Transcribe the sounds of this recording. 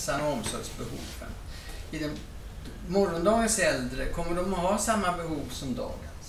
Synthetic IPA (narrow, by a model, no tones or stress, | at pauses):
sanɔɔmsɔɡsbɛhṵːvə̰n | ɪd̪ɛ | mɔɾɔnd̪ɑːɡənsɛld̪ɾəkʰɔmːəɖɔmɔɦɑːsamːabɛɦuːvsɔmd̪ɑ̰ːɡəns